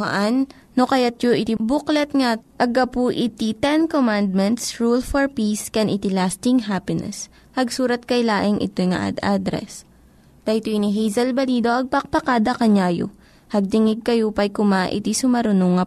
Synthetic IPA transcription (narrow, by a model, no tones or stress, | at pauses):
ɐ̰ʔanː | okɐjat̪̚joʔɪt̪ibuklɛt̪̚ŋaʔɐɡɐpuʔɪt̪it̪ɛnkomand̪̚mɛnt̪sɹulfɔɹpiskɛnʔɪt̪ilast̪ɪŋɦapɪnɛ̰s | hɐɡsuːɾɐt̪̚kɐjlaːʔɪŋʔɪ̰t̪ojŋɐ̰ʔa̰d̪ad̪ɾɛ̰s | t̪ɐjt̪oʔɪniɦɛjzɐlbɐliːd̪o̞ʔɐɡ̚pɐk̚pɐkaːd̪ɐkɐɲaːjo̰ | hɐɡ̚t̪ɪŋɪɡ̚kɐjopɐjkʊmaʔɪ̰t̪isʊmɐɾʊnoŋɐ